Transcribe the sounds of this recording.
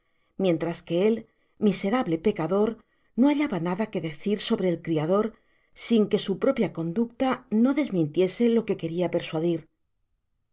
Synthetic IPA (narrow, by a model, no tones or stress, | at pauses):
mje̞nt̪ɾaske̞e̞l | mise̞ɾaβle̞pe̞kaðo̞ɾ | no̞aʎaβanaðake̞ðe̞θiɾso̞βɾe̞ːlkɾiaðo̞ɾ | siŋke̞supɾo̞pjako̞nd̪ukt̪ano̞ðe̞zmĩnt̪je̞se̞lo̞ke̞ke̞ɾiape̞ɾswaðiɾ